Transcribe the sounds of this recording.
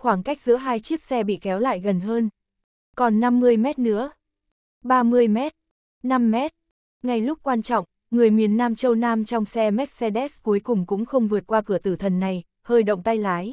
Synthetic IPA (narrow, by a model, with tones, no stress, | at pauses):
xwaː˧˩ŋka˦˥jk̚zɨ̰˧˥əɦaː˧jt͡ɕi˦˥ət̚sɛ˧ɓḭ˧˨kɛ˨˦wla̰ː˧˨jɣə˨˩nɦəː˧n | kɔ˨˩nːa˧mːɨ˧əjmɛ˦˥t̚nɨ̰˧˥ə | ɓaː˧mɨ˧əjmɛ˦˥t̚ | na˧mːɛ˦˥t̚ | ŋa˨˩jlʊ˦˥k͡p̚kwaː˧nt͡ɕɔ̰˧˨ŋ͡m | ŋɨ˨˩əjmi˨˩ənːaː˧mt͡ɕə˧wnaː˧mt͡ɕɔ˧wŋ͡msɛ˧mɛ˦˥t̚se˧ɗɛ˦˥sku˨˦jkʊ˨˩ŋ͡mkʊ̰˧˥ŋ͡mxə˧wŋ͡mvɨ˨˩ət̚kwaː˧kɨ˧˩ət̪ɨ˧˩t̪ʰə˨˩nːa˨˩j | həː˧jɗə̰˧˨wŋ͡mt̪a˧jlaː˨˦j